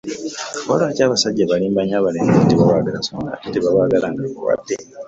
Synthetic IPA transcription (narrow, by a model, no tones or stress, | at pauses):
olaːcaːβasaɟːeβaliːmbaɲaːβaleːŋɡatiβawaːɡalasoona̰titiβawaːɡalaŋɡakowa̰d̪ːe